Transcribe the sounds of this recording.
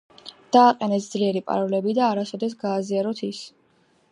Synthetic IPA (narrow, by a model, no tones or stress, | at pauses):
d̪̥aːqʼɛnɛsd̪zliɛɾipʼa̰ɾɔlɛbid̪aːɾasɔd̪ɛs̬ɡaːziaɾɔt̪ʰis